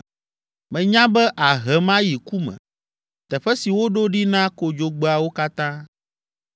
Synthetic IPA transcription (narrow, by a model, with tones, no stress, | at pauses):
mɛ̃˨ɲã˦bɛ˦ʔa˨ɦɛ˨˦mã˦ji˨ku˦mɛ̰̃˨ | t̪ɛ˨ɸɛ˦si˨wo˦ɖo˦ɖi˦nã˦ko˦d͡ʒo˦ɡ͡be˦a˨wo˦ka˦t̪ã˦